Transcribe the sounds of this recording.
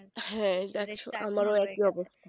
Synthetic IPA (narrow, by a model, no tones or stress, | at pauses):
hɛ̃d̪ɛkʰaʃʰo̰a̰maɾoɛkiɔbost̪a